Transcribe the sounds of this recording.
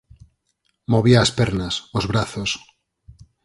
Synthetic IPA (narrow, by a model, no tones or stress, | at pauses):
moβiaːspeɾnasozβɾaθos